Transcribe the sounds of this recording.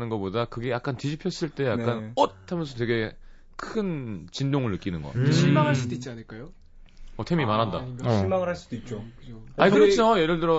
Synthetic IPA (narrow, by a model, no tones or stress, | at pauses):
nɯnɡʌpodakɯɡe̞jak̚k͈antid͡ʑipʰjʌs͈ɯɭt͈e̞ja̰kkk͈anot̚hamjʌnsʰʌt̬we̞ɡe̞ | kʰɯnt͡ɕindoŋɯɭːɯk͈inɯnɡʌ̰ɕʰimaŋɦaɭs͈udoit̚t͡ɕ͈ianɯɭk͈ajo | ʌtʰemimanɦanda̰ɕʰimaŋɯɭɦaɭs͈ud̥oit͡ɕ͈okɯoaikɯɾʌt͡ɕʰoje̞ɾɯɭdɯɾʌ